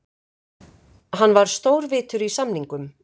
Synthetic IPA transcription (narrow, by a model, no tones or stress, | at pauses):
ɦanːvaɾ̥st̪oːwɾvɪːt̪ʏɾisamniŋkʏm